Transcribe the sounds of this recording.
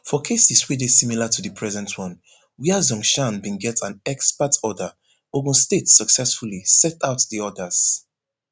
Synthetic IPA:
fɔkʰesiswidesimilatʰudɨpʰɹɛzɛ̃ntʰwɔ̃n | wiazɔ̃ŋʃãnbĩnɡɛtʰãnɛkspatʰɔdə | oɡũstetsəksɛsfulisɛtaʊtðiɔdəz̥

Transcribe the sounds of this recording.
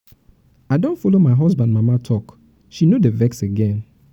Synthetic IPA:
aɪdɔ̃ntfɔlomaɪɦɔzbãndmamatʰɔk | ʃinodevɛkseɡɛ̃n

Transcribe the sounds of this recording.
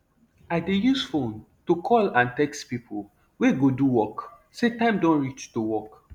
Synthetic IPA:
adejusfõn | tukʰɔlãntɛkspipʰol | weɡoduwɔk | setãɪ̃mdɔ̃nɹit͡ʃtuwɔk

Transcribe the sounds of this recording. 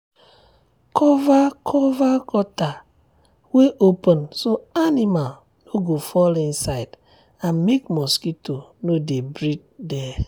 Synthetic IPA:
kʰɔvakʰɔvakɔta | weʔopɔ̃nsoanimal | noɡofɔlĩnsaɪd | ãnmekmɔskitonodebɾid̚dɛ

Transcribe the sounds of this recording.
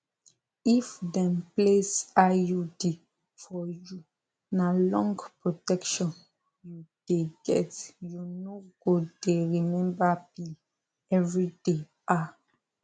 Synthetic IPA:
ifdɛ̃mplesajudi | fɔju | nalɔ̃ŋɡpɹotɛkʃɔ̃n | jud̥eɡɛtjunoɡ̥odeɹimɛ̃mbabi | ɛvɹide | ʔa

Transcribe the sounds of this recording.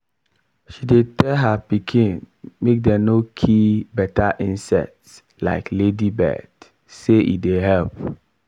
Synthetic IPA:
ʃidetɛlɦapikʰĩn | mek̚dɛ̃nokʰibɛtʰaʔĩnsɛ̰k̚ts | la̰ɪkledibɛ̰t | seʔḭdeɦɛlp̚

